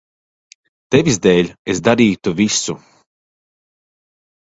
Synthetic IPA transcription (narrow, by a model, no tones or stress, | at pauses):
t̪evʲizd̪eːlʲesd̪aɾiːt̪uvisu